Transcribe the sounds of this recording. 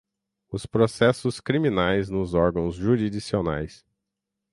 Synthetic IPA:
ʊspɾosɛsʊskɾimĩnajznʊzɔɾɡɐ̃w̃zʒuɾid͡ʒisiona̰js

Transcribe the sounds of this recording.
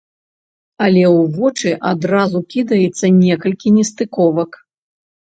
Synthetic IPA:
ɐlʲɛwvɔt͡ʂɨʔad̪ɾazukʲid̪ɐjɛt̪sːɐnʲɛkɐlʲkʲinʲɛst̪ɨkɔvɐk

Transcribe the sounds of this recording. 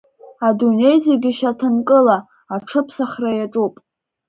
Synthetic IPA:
adune̞jzeɡʲɪʃatʰɨnkʼɨlaː | ʈ͡ʂʰɨpʰsaχrajaʈ͡ʂʼupʼ

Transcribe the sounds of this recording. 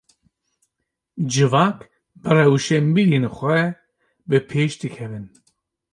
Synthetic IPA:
d͡ʒɨvaːk | bɨrɛwʃɛmbiɾeːnxʷɛ | bɨpʰeːʃd̪ɨkʰɛvɨn

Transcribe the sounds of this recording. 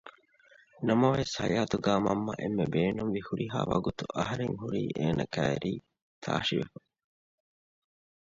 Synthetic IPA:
nɐmɐʋeshɐjaːt̪uɡaːmɐmːɐʔemːebeːnuŋʋihuɾiɦaːʋɐɡut̪uʔɐɦɐɾeŋɦuɾiːʔeːnʔɐkæːɾiː | t̪ʰaːʃiʋḛfɐ

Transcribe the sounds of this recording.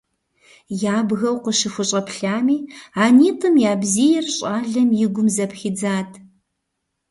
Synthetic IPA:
jaːbɣɐwqʷəʃɪxʷʊɕʼɐpʰɬaːmiːaːniːtʰʼɨmjaːbziːjɛrɕʼaːɮɐmjɪɡʷʊmzɐpxid͡zaːtʰ

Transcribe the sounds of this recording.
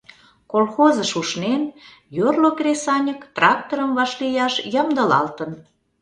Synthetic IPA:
kolxozəʃuʃnen | jorlokrʲesɑnʲəkt̪rɑk̚t̪oɾəmβɑʃlijɑʃjəmd̪ə̆lɑ̰lt̪ən

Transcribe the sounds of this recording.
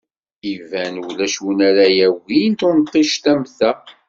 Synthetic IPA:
ivænwlæʃwnæɾæjæwint̪ʊnt̪ːiʃt̪æmθæ

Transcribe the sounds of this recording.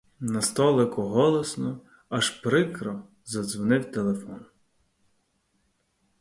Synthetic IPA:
nɐst̪ɔlˠɪkʊɦɔlˠɔsnɔ | ɐʃpɾɪkɾɔ | zɐdzʋɔnɪwt̪elˠefɔn

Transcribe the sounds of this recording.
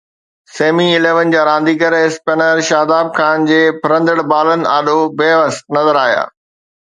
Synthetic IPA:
seːmiɪleːʋənɪ̆d͡ʑaːɾãːnd̪ikɐɾɪspenəɾʃaːd̪aːb̚kʰaːnd͡ʑeːpʰɪɾə̃nd̪əɽbaːlənɪ̆aːɗobeːʋəst̪nɐzəɾaːɦja̰ː

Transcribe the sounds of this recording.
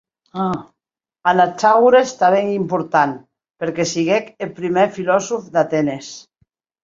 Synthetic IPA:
a | anat͡ʃaɣuɾest̪aβeŋimpuɾt̪an | peɾkesiɣekelpɾimefilɔsufd̪at̪enes

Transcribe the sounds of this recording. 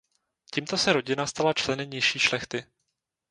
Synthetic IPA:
ciːmt̪o̞sɛɾo̞ɟɪnast̪alat͡ʃlɛnɪmɲɪʃiːʃlɛxt̪ɪ

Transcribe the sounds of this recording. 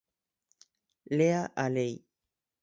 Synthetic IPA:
leaʔalej

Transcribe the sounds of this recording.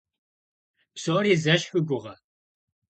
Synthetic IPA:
psoːriːzɐʃxɨɡʷʊʁɐ

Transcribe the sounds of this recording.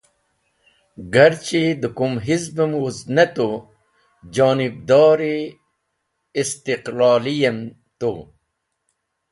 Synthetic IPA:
ɡɐɾt͡ɕid̪əkumɦizbəmuznɐt̪o | d͡ʑɑːnib̚d̪ɑːɾi | st̪iqlɑːlijɐm | t̪o̰

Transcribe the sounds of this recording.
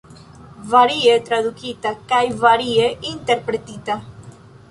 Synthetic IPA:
vaɾiet̪ɾaðukit̪akajvaɾieint̪eɾpɾet̪it̪a

